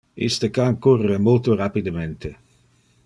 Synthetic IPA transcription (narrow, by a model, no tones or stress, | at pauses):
ḭst̪əkaŋkurəmolt̪orapid̪əmɛnt̪ə